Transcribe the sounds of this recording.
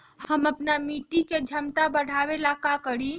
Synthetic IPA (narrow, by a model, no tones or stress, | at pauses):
həməpnamiʈiked͡ʒʱəmt̪abəɽ̤abelakakəɽi